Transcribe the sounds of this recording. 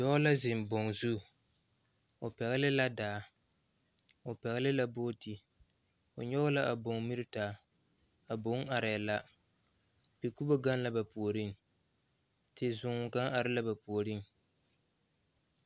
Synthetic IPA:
jɔ˦la˦zɪ˨m˨bo˨ŋzu˦˨ | ʊ˨pɛ˨ɣɪ˦lɪ˦la˦daː˨ | ʊ˨pɛ˨ɣɪ˦lɪ˦la˦boː˦ti˦ | ʊ˨ɲɔ˦ɣʊ˦la˦ʔa˨bo˨ŋmi˦ɾɪ˦taː˨ | a˨bo˨˦ŋa˨ɾɪ˨la˦ | pi˨ku˦bo˦ɡa˦nla˦ba˨pu˨o˨ɾi˦ŋ | tɪ˦zʊ˨ŋ˨ɡa˦ŋʔa˨ɾɪ˦la˦ba˨pu˨o˨ɾi˦ŋ

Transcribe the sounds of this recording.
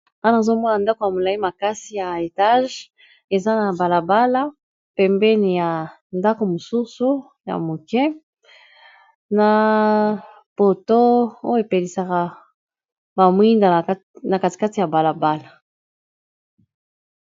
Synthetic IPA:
a˦na˨zo˦mɔ˦na˨nda˦ko˨ja˨mo˨la˨i˦ma˨ka˦si˨ja˨e˨ta˦ʒ | e˨za˦na˨ba˨la˨ba˦la˦ | pɛ˨mbɛ˦ni˨ja˨ | nda˦ko˨mo˨su˦su˦ | ja̰˨mo˨kɛ˦ | na˨ | po˨to˦o˦jo˦e˨pe˨li˨sa˨ka˨ | ba˨mwi˦nda˨˦ | na˨ka˦ti̥˨ka˦ti˨ja˨ba˨la˨ba˦la˨

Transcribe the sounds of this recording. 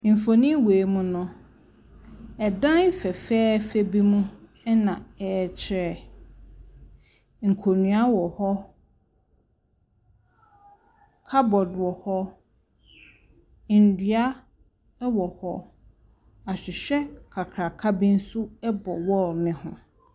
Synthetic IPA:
m̩˨fo˨nĩ˦weː˨mʊ̃˦nʊ̃˨ | ɛ˨dã˦n̩˦fɛ˨fɛː˦fɛ˦bi˦mũ˦ | ɛ˦nã˨ɛ˨t͡ɕʰɪ˨˦ɾɛ˨ | ŋ̩˨kʰo˨nũ˨a˦wɔ˨hɔ˦ | kʰa˦bɔ˨dʊ˨ɔ˨hɔ˦˨ | n̩˨dɥa˦ | wɔ˨hɔ˦ | a˨ɕᶣɪ˨ɕᶣɛ˦kʰa˨kʰɾa˨kʰa˦bɪ̃˦n̩˦sʊ˦ɛ˦bɔ˨wɔ˦nɪ̃˦hʊ̰̃˨

